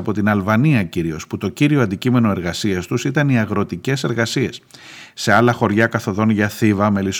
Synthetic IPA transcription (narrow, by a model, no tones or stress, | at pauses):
ɐpo̞t̪inɐlvɐniɐciɾio̞sput̪o̞ciɾio̞ɐnd̪icime̞no̞e̞ɾɣɐsiɐst̪usit̪ɐniɐɣɾo̞t̪ice̞se̞ɾɣɐsie̞sːe̞ɐlɐxo̞ɾʝɐkɐθo̞ðo̞nʝɐθivɐme̞lis